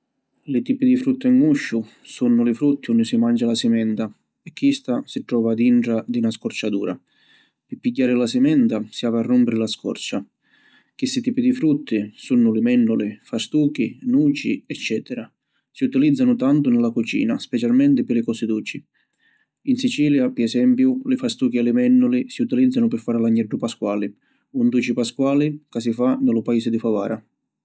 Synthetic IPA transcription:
lɪt̪iːpid̪ifɾut̪ːiŋːuʃːʊ | sunːʊlɪfɾut̪ːiunːɪsimand͡ʒalasɪmɛnd̪a | ɛkːist̪asit̪ɾɔːvaːd̪iɳʈɾad̪inaskɔrt͡ʃad̪uːɾa̰ | pɪpːiɟːaːɾɪlasɪmɛnd̪asiaːvarːumpɪɾɪlaskɔ̰rt͡ʃa | k̟ist̪it̪iːpid̪ifɾut̪ʰːɪsunːʊlɪmɛnːʊlɪfast̪uːk̟inuːt͡ʃiɛt͡ʃːɛːt̪ɛɾa | siut̪ilid̪zːanʊt̪ant̪ʊnɪlakut͡ʃḭːnaspɛt͡ʃalmɛnt̪ɪpɪlɪkɔsɪd̪uːt͡ʃi | insit͡ʃiːljapɪɾɛsɛmpjʊlɪfast̪uːk̟ialɪmɛnːʊlisiut̪ilid̪zːanʊpɪɾfaːɾlaɲːɛɖːʊpaskwaːli | und̪uːt͡ʃipaskwaːlikas̬ifanɪlʊpaiːsɪd̪ifava̰ːɾa

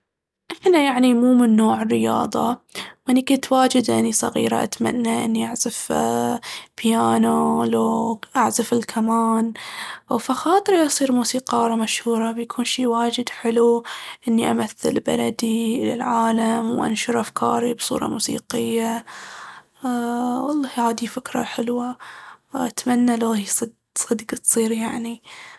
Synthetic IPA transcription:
ʔɪħnajaʕnimuːmɪnːoːʕɪrːɪjɑ̰ːðˤɑ̰ʔɪnːikʊnt̪waːd͡ʒɪd̪ʔɪnisˤɑɣḭːɾa̰ʔa̰t̪ma̰nːaʔɪ̰nːiʔaʕzaf | pjaːnoloʔaʕzafɪlkʰamaːn | faxaːt̪ˤɨɾiʔɑsˤiːɾmuːsiːqɑːɾˤɑmaʃhuːɾˤɑbjakʰuːnʃiːwaːd͡ʒɪd̪ħɪluʔɪnːiʔamaθːɪ̰lba̰lad̪iʔla̰lʕaːlamwʔa̰nʃʊɾʔafkʰɑ̰ːɾibsˤṵːɾˤɑ̰mṵːsḭːqɪjːa | wɑlˤːɑːhhaːd̪ifɪkɾˤɑ̰ħɪlwa | ʔat̪manːaloːhisˤɑd̪ | sˤɑd̪ɡt̪sˤiːɾjaʕni

